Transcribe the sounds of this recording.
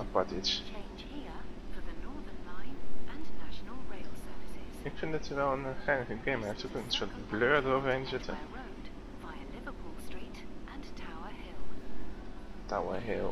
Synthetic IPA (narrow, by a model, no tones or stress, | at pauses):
pɑtɪt͡ʃt͡ʃʰẽɪnd͡ʒhifəðənɔɹðə˞nlãɪ̃nʔɪ̃nnaʃənəlˠɹeɪl̩ˠsɜ˞vɪsɪz̥ɪkfɪndɑtsəʋɛlˠənχɛjnəχəɡẽmɛətukənsɔtbløːɹdəɾowvəɹẽnzɪtə̰ɹoʊd | v̥aɪəlɪvəpʰɔlˠstɹ̥itʔə̃ntʰaʊəhɪlˠ | tʰawə̰ɦɪ̰lˠ